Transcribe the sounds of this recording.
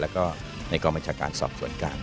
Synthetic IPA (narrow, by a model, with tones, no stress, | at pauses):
lɛː˦˥wkɔː˥˩ | na˧jkɔː˧mba˧nt͡ɕʰaː˧ka̰ː˧nsɔ̰ː˨˩p̚su˩˦ənkaː˧n